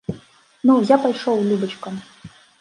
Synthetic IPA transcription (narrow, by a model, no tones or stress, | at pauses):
nɔwzʲapajʂɔwlʲubət͡ɕkəm